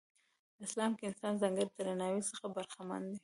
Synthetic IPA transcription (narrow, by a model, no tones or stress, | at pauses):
d̪əɪslɑmkeɪnsɑnzaŋɡəɾt̪əɾanɑwisəxabaɾxama̰nd̪e